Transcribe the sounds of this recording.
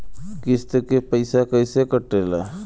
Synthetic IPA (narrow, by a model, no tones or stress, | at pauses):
kɪst̪əkepəɪsakəɪsekəʈːela